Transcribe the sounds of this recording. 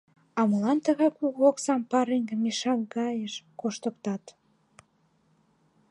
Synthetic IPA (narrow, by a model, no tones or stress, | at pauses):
ɑmə̆lɑnt̪əɣɑjkuɣoksɑmpɑɾeŋɡəmiʃɑkɡɑjəʃkoʃt̪əkt̪ɑt̪